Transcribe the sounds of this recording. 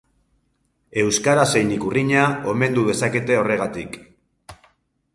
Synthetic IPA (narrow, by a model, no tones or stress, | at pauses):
e̞wskaɾase̞jnikuriɲao̞me̞nd̪uðe̞sake̞t̪e̞o̞re̞ɣat̪ik